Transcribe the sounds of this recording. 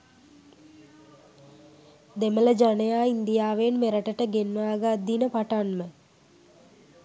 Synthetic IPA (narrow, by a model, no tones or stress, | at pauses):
d̪emələd͡ʒanəjaːind̪ijaːʋenmeɾəʈəʈəɡenʋaːɡad̪ːinəpaʈanmə